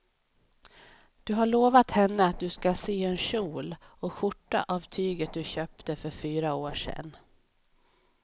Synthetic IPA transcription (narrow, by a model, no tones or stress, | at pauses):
d̪̥ɵɦaɭoːvat̪hɛnːəat̪̚d̪ɵskaseːɛnɕuːlɔɧʊʈːa̰ʔavt̪ʰyːɡət̪̚d̪ɵɕøːpt̪əfœɾfyːɾaoːʂɛ̰nː